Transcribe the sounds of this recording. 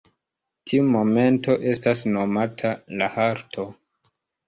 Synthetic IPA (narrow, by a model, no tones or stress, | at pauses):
tʰiumo̞me̞nto̞ʔe̞stasno̞matʰalahaɾtʰo̞